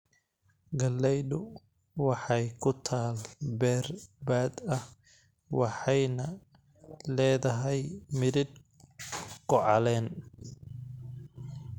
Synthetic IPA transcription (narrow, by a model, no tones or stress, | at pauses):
ɡɐlːɛjdʊ | wɑħɑjkʰʊt̪ʰaːlbɛːrbaːd̪ɐh | wɑħɑjnɐ | lɛːðɐɦɛjmɪɾɪd̪ | ɡɔʕɑlɛːn